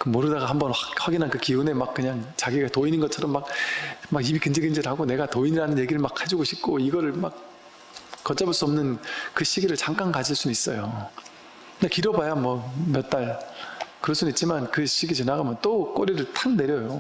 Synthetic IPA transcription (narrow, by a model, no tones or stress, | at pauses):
kɯmoɾɯdaɡahambʌnawaɡinɦankɯkiune̞mak̚k͈ɯɲaŋt͡ɕaɡiɡatoinɯnɡʌt͡ɕʰʌɾʌmːak̚maɡibikɯnd͡ʑeɡɯnd͡ʑeɾɯɦaɡone̞ɡatoiɲiɾanɯnje̞ɡiɾɯɭmakʰhad͡ʑiɡoɕʰip̚k͈ʰoiɡʌɾɯɭmak̚ | kːʌt͡ɕ͈abuɭs͈uʌmnɯnkɯɕ͈iɡiɾɯɭt͡ɕaŋk͈ankad͡ʑiɭs͈unuits͈ʌjo | kɯɲakiɾʌbajamwʌmjʌt̚t͈aɭkɯɾʌɭs͈unuit̚t͡ɕ͈ʰimankɯɕ͈ʰiɡit͡ɕenaɡamjʌnt͈ok͈ʌɾiɾɯɭtʰaŋne̞ɾjʌjo